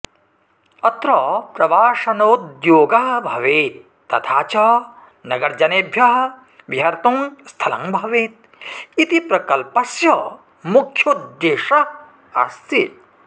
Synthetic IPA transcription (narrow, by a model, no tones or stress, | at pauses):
ɐt̪ɾɐpɾɐʋaːʂɐnɐud̪joːɡɐɦbʱɐʋeːt̪̚ːɐt̪ʰaːt͡ʃɐː | nɐɡɐɾd͡ʒɐneːbʱjɐɦ | ʋjɦɐɾt̪uŋst̪ʰɐlɐ̰ŋbʱɐʋeːt̪̚ | it̪ipɾɐkɐlpɐsjɐ | mukʰjod̪jeːʂɐ | ɐ̰st̪it̪